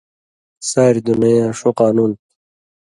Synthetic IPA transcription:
saːɾid̪unɐjãːʂoqɑːnuːn

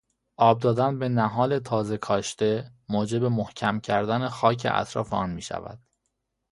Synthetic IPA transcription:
ʔɒːb̚d̪ɒːd̪ænbe̞næɦɒːle̞t̪ʰɒːze̞kʰɒːʃt̪e̞moːd͡ʒe̞be̞mohcʰæmcʰæɾd̪æne̞xɒːcʰḛʔæ̰t̪ʰɾɒ̰ːfeɒːnmiːʃæ̰væ̰d̪̥

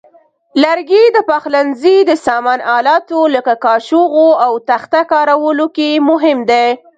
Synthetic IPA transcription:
laɾɡed̪əpɑxlanzid̪əsɑmɑnɑlɑt̪oləkakɑʃoɣoawt̪axt̪akɑɾawəlokemʊɦɪmd̪e

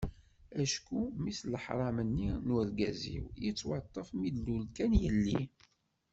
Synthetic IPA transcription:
æʃkumisləħɾˤɑmənːinwæɾɡæzḭwjət͡sːwɑt̪ˤːəfmid̪lulkænjəlːi

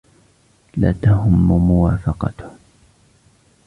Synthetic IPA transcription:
la̰ːt̪aɦʊmːmʊwaːfɑqɑ̰t̪

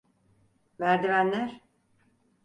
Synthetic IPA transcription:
væɾd̪ivænlʲæɾ

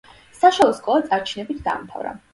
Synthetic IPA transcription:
saʃalˠɔskʼɔat̪sʼaɾt͡ʃʰinɛbit̪ʰd̪a̰ːmt̪ʰa̰vɾa̰

